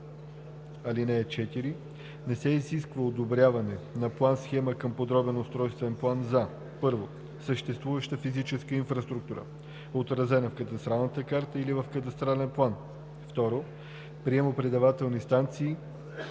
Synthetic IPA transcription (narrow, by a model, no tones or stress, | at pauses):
ɐlinɛːt͡ʃɛt̪iɾi | nɛsɛiziskvəod̪obɾʲjavɐnɛnɐplˠansxɛməkəmpod̪ɾɔbɛnost̪ɾɔjst̪vɛnplˠanza | pɤɾvo | səʃt̪ɛst̪vuvəʃt̪əfizit͡ʃɛskəinfɾɐst̪ɾuk̚t̪uɾə̰ | ot̪ɾɐzɛnɐfkət̪ɐst̪ɾalˠnət̪əkaɾt̪əilivəfkət̪̬ɐst̪ɾalɛnplˠan | ft̪ɔɾo | pɾiɛmopɾɛd̪ɐvat̪ɛlˠnist̪ant̪siː